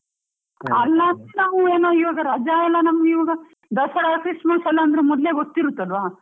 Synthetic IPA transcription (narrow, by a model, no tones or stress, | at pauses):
ɐlːanaːʋueːnoːiʋɐːɡɐɾad͡ʒaːɛlːɐnɐmɐɡiʋɐːɡɐ | d̪ɐsɐɽaɐkɾiʂmasɛlːɐɐnd̪ɐɾemɔd̪leːɡot̪ːiɾut̪ːuɐlʋaː